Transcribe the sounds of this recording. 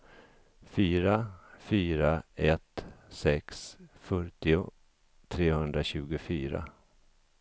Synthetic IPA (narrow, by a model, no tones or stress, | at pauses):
fyːɾafyːɾaɛt̪sɛksfœʈɪʊ | t̪ʰɾeːhɵnd̪ɾaɕʉ̟ːɡʊfyːɾa̰